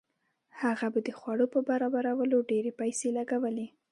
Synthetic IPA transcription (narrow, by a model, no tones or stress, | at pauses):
haɣabad̪əxwaɽopəbaɾɑbaɾawəloɖeɾepajselaɡawəle